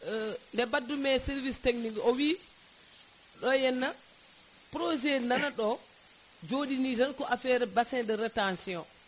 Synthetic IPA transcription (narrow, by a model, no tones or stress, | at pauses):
ndɛbadːumɛsiɾvisteknikɔwi | ɗɔjɛnːa | pɾod͡ʒɛnanaɗɔ | d͡ʒoːɗinitankɔʔafɛːɾɛbasɛndɛɾɛtansiɔ